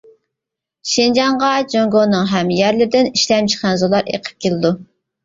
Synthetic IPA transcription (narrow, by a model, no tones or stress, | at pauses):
ʃind͡ʒɑɴʁɑd͡ʒoŋɡonːɨŋɦɛmjæɾlɪɾd̪ɪniʃlɛmt͡ʃʰə̥χænzolˠɑɾḛqʰə̥p̚kʲʰelɪd̪u